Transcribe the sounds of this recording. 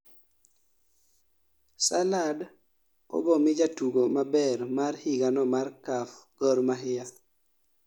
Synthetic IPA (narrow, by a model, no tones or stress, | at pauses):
salad | ɔ̰bɔmɪd͡ʒatuɡomabɛɾmarhiɡanɔmarkafɡ̥ɔɾmaɦɪja